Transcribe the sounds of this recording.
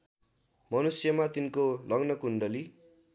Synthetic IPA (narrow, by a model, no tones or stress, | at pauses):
mʌnusjʌmat̪inkolʌɡnʌkuɳɖʌli